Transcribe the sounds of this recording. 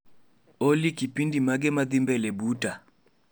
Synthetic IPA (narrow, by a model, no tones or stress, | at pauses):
olikipindimaɡɛmaðimbɛlɛbuta